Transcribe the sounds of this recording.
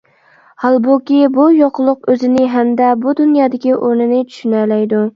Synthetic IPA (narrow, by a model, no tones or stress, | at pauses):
hɑlˠbʊkʲɪbujoqlˠɨqɵzɪnɪɦæmd̪abʊd̪ʊnjɑːd̪ɪkʲiʔoɾnɪnɪt͡ʃʰy̥ʃynalajd̪ʊ